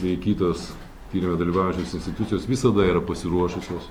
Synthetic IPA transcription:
ʋʲɛɪkʲiːt̪oːs | t̪ʲiːɾʲɪmʲed̪ɐlʲiːʋɑːʊjɛ̃nʲt͡ʃʲoːsɪnʲsʲt̪ʲɪt̪ʊt̪sʲɪjoːsʋʲɪsɐd̪ɐiːɾɐpɐsʲɪɾuɔʃʊsʲoːs

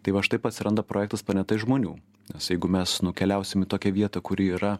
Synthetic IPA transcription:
t̪ɐɪʋɐʃt̪ɐɪpɐt̪ʲsʲɪɾɐnd̪ɐpɾʔoːjɛk̚t̪ɐspɐnʲɛt̪ɐɪʒmoːnʲuː | nʲɛsjɛɪɡʊmʲɛsnʊkʲɛlʲɛˑʊsʲɪmɪt̪oːkʲɛʋʲiɛt̪ɐkʊɾʲiiːɾɐ

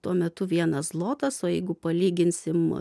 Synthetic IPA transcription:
t̪uɔmʲɛt̪ʊʋʲiɛnɐslˠoːt̪ɐsoːjɛɪɡʊpɐlʲiːɡʲɪnʲsʲɪm

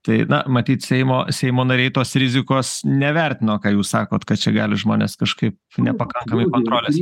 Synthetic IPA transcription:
t̪ɐɪnɐ̰mɐt̪ʲiːt̪sʲɛɪmo̰ːsʲɛɪmoːnɐɾʲɛɪt̪oːsɾʲɪzʲɪkoːsnʲɛʋʲɛrʲt̪ʲɪnoːkɑːjuːssɑːkoːt̪kɐt̪t͡ʃʲɛɡɑːlʲɪʒmoːnʲḛskɐʃkɐɪp̚ | nʲɛpɐkɐŋkɐmɐɪkoːnt̪ɾoːlʲeːs

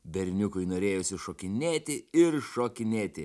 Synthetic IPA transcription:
bʲɛɾʲnʲʊkʊɪnoːɾʲeːjʊsʲɪʃoːkʲɪnʲeːt̪ʲɪɪɾʃoːkʲɪnʲeːt̪ʲɪ

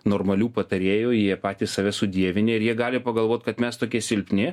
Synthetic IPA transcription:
noːɾmɐlʲuːpɐt̪ɐɾʲeːjoːjiɛpɑːt̪ʲiːssɐʋʲɛsʊd̪ʲiɛʋʲɪnʲɛɪɾjiɛɡɑːlʲɪpɐɡɐlˠʋoːt̪kɐt̪mʲɛst̪oːkʲiɛsʲɪlʲpʲnʲɪ

